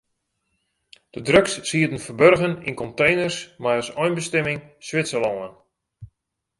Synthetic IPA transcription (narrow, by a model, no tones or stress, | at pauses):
d̥ədrøksːiədən̩fərbørɣənḭnkɔntejnərsmajəsɔjnbəstɛmɪŋsʋɪtsəlɔən